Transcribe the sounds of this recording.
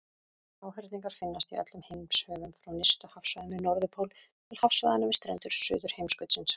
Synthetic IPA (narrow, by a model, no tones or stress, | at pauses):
aːwɦɛɾ̥t̪niŋkaɾ̥fɪnːast̪iœ̰t̪lʏmhejmshœːvʏmfɾawnɪst̪ʏhafsvaðʏmɪnɔɾðʏpʰowl | t̪ʰɪlhafsvaðanʏmɪst̪ɾɛ̰nt̪ʏɾ̥sʏ̰ːðʏɾ̥hejmskœɥt̪sɪns